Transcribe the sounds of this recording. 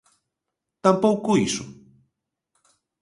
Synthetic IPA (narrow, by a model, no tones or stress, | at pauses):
t̪ampowkuisṵ